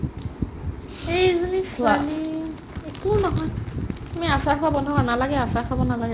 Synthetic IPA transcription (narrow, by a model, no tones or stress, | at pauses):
ejzunisali | ekunɔɦɔjtumiasakʰabɔndʱɔkanalaɡɛasakʰabɔnalaɡɛ